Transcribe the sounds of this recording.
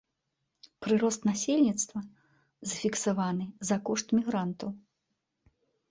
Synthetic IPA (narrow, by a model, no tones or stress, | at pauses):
pɾɨɾɔst̪nasʲelʲnʲit̪st̪vɐ | zɐfʲiksavanɨzɐkɔʂt̪mʲiɣɾant̪ɐw